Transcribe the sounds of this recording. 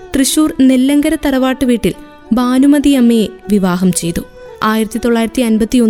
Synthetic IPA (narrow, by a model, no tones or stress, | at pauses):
t̪rɨɕuːrne̞lːɐŋɡɐɾɐt̪ːɐɾɐʋaːʈːɨʋiːʈːil | baːnumɐðiɐmeːʋiʋaːɦɐmt͡ɕe̞jt̪u | aːjiɾɐt̪ːit̪o̞ɭːaːjiɾɐt̪ːiɐnbɐt̪ːio̞nː